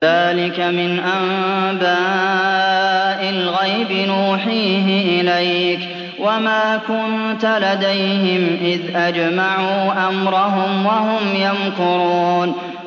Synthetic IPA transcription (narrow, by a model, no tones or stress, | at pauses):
aːlɪkamɪnʔambaː | ʔɪlɣajbɪnuːħiːɦɪʔɪlajk | wamaːkʊnt̪alad̪ajɦɪmʔɪðʔad͡ʒmaʕuːʔamɾˤɑɦʊmwaɦʊmjankʊɾuːn